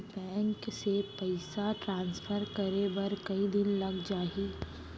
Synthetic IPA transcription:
bɛ̃ːŋksepɐɪsaʈɾãːnsfʰəɾkɐɾebɐɾkɐid̪ɪnlɐɡd͡ʒaːi

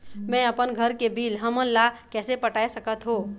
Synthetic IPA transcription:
mɛ̃əpənɡʱəɾkebʱilɦəmənlakɛsepəʈaːesəkət̪ɦo

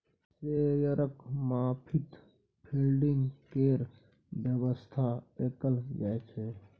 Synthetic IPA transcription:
sejəɾəkmapʰit̪ | pʰilɖiŋɡkeɾ | bjəbəst̪ʰaekəld͡ʒaet͡ʃʰe

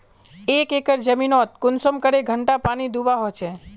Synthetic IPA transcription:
ekekəɾd͡ʒəminɔt̪̚kʊnsəmkəɾeɡʱəɳʈapañid̪ubaɦojt͡ʃʰe

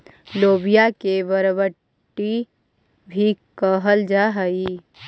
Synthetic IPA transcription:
loːbijakeʋəɾʋə | ʈi | bʱikəɦəld͡ʒaɦəi

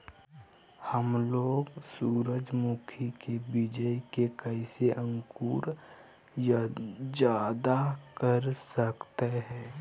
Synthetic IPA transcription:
həmloːɡsuːɾəd͡ʒmuːkʰikebɪd͡ʒəikekəɪseʔə̃ŋkuːɾ | d͡ʒjaːd̪akəɾsəkt̪eɦɛ̃ː

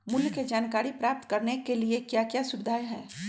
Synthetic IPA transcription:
mʊljked͡ʒaːnkaːɾipɾaːp̚t̪kɐɾnekeliekjaːkjaːsʊbɪd̪ʱaːjɦɛ̰̃ː

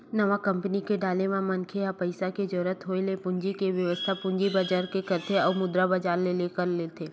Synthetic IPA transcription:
nɐʋakɐ̃mpənikeɖaːlemãmɐnkʰejapɐɪsaked͡ʒɔːɾət̪ɦoelepʊɲd͡ʒikeʋjɐʋəst̪ʰapʊ̃ɲd͡ʒibɐd͡ʒaɾkekɐɾt̪ʰeɔːɾmʊd̪ɾabɐd͡ʒaːɾleleːkəɾleːt̪ʰeː

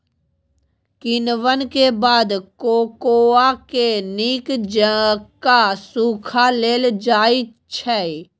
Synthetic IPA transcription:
kɪnʋənkebaːd̪koːkoːakeniːkd͡ʒəkasuːkʰaleːld͡ʒaːit͡ʃʰɛi

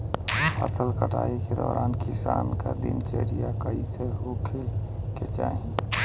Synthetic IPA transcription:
ə̰səlkəʈaiked̪ɔɾʔankisanked̪ḭnt͡ʃeɾijakəiseɦokʰeket͡ʃa̰ɦi

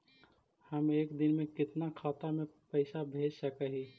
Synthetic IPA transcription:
həmeːkd̪ɪnmẽkɪt̪nakʰaːt̪amẽpəɪsabʱeːd͡ʒsəkeɦi

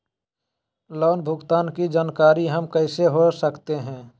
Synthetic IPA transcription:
lɔːnbʱʊɡt̪aːnkid͡ʒaːnkaːɾiɦəmkəɪseɦosəkt̪eɦɛ̃ː

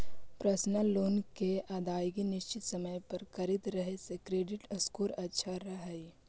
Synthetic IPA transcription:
pɾəsnəlːoːnkeaːd̪aːjɡinɪʃt͡ʃɪt̪sɐməjpɐɾkɐɾɪd̪ɾəɦesekɾeːɖɪʈəskoːɾɐtːʃʰaɾɐɦɛi

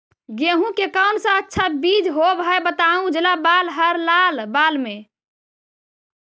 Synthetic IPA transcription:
ɡeɦũkekawnsə̃ətːʃʰabid͡ʒɦobɦebət̪aũd͡ʒelabalɦəɾlalbalme

